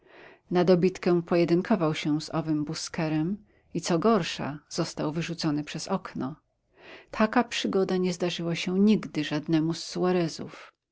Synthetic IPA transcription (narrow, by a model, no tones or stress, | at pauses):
nad̪ɔbʲit̪kɛ̃pɔjɛd̪ɘŋkʰɔvawɕɛ̃z̥ɔvɘmbuskɛɾɛm | it̪sɔɡɔɾʂa̰z̥ɔst̪awvɘʐut̪sɔnɘpʂɛz̥ɔknɔ | t̪ʰakapʂɘɡɔd̪aɲɛzd̪aʐɘwaɕɛɲiɡd̪ɘʐad̪nɛmusːuaɾɛzṵf